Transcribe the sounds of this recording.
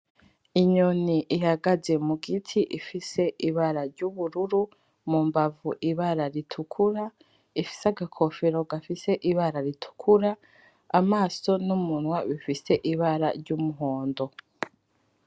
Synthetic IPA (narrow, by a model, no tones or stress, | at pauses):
iɲoniʔihaɡaze̞muɡitʰiʔifise̞ʔiβaɾaɾɟuβuɾuɾu | mumbavuʔiβaɾaɾitʰukʰuɾa | ifi̥saɡakʰofeɾo̞ɡafise̞ʔiβaɾaɾitʰu̥kʰuɾaː | maːso̞numunwaβifise̞ʔiβaɾa̰ɾɟumuɦoːndo̞